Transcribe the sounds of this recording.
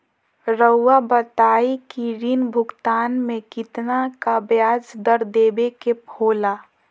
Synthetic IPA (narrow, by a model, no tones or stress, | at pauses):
ɾəːabət̪aːikiɾinbʱʊɡt̪aːnmẽkɪt̪nakabjaːd͡ʒd̪əɾd̪eːbekepʰoːla